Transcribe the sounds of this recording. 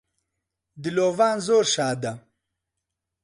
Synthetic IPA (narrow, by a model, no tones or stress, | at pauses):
d̪iloːvaːnzoːɾʃaːd̪ɐ